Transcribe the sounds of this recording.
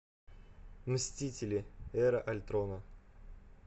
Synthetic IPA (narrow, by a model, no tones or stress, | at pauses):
msʲtʲitʲɪlʲɪɛɾəʔɐlʲt̪ɾonə